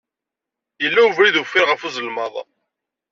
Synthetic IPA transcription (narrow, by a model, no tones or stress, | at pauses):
jəlːæuvɾiðufːɪɾʁəfuzəlmɑðˤ